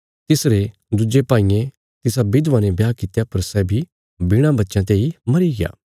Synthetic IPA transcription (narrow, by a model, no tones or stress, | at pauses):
t̪ɪsɾe | d̪ud͡ʒepãːijẽ | t̪ɪsabɪd̪ʋãːnẽbjaːkɪt̪japɐɾsɛbʱi | bɪɽ̃ãbɐtːʃãt̪̬eimɐɾiɡɪja̰ː